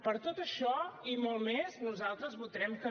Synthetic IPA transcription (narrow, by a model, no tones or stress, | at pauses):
pəɾt̪ot̪əʃɔimolˠmeznuzalˠt̪ɾəzβulˠd̪ɾɛmkə